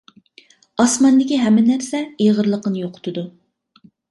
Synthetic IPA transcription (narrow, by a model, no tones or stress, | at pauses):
ɑsmɑnd̪ɪkʲiɦɛmːɪnæɾsɛeʁəɾlˠəqənɨjoqʰʊ̥t̪ʰʊd̪u